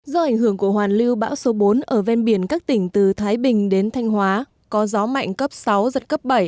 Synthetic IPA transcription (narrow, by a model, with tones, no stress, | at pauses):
zɔ˧ʔa˧˩jŋ̟ɦɨ˧˩əŋku˧˩əhwaː˨˩nli˧wɓa̰ː˧˥wso˨˦ɓo˨˦nʔəː˧˩vɛ˧nɓi˧˩ənkaː˦˥k̚t̪ï˧˩ŋ̟t̪ɨ˨˩t̪ʰaː˨˦jɓï˨˩ŋ̟ɗe˨˦nt̪ʰa˧jŋ̟hwaː˨˦ | kɔ˨˦zɔ˨˦ma̰˧˨jŋ̟kə˦˥p̚sa˨˦wzə˨˩t̚kə˦˥p̚ɓə˧˩j